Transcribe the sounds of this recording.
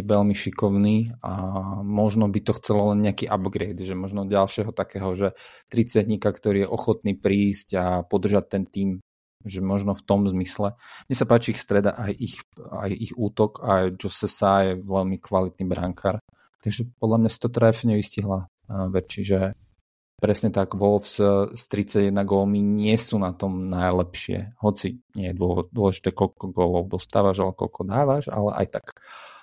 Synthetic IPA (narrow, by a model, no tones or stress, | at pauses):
ɛʋɛlmiʃikɔʊniːamɔʒnɔbit̪ɔxt͡sɛlɔlɛnɲɛakiʔabɡɾɛɪd̪ʒɛmɔʒnɔɟalʃɪɛɦɔt̪akɛːɦɔʒɛt̪ɾit͡sadɲikakt̪ɔɾiːjɛʔɔxɔt̪niːpɾiːscapɔd̪r̩ʒac̚t̪ɛnt̪iːm | ʒɛmɔʒnɔft̪ɔmzmislɛmmɲɛsapaːt͡ʃiixst̪ɾɛd̪a̰ʔajʔixa̰jixuːt̪ɔkʰajd͡ʒɔsɛsaːjɛʋɛʎmikʋalit̪nibɾa̰ŋkʰaːɾ | t̪aɡʒɛpɔd̪lamɲasi̥t̪ɔt̪ɾɛfɲɛʋisciɦla | ʋɛt͡ʃiʒɛ | pɾɛsɲɛt̪aɡʋɔlfsst̪ɾit͡saɟjɛd̪naɡɔlmiɲɪɛsuːnat̪ɔmnajlɛpʃɪɛ̰hɔt͡siɲɪɛjɛd̪ʊɔd̪ʊɔlɛʒi̥t̪ɛːkɔlkɔɡɔːlɔʊd̪ɔst̪aːʋaʒalɛbɔkɔ̰lkʰɔd̪aːʋaʒa̰lɛ̰ʔa̰jt̪ak